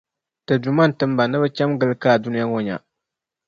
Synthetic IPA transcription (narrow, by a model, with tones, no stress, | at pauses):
tɨ˨du˨ma˦n˨tɨ˦mba˨nɨ˦bɨ˦t͡ʃɛ˦mɡɨ˦lɨ˦kaː˦˨du˦ni˦ja˦ŋo˦ɲa̰˨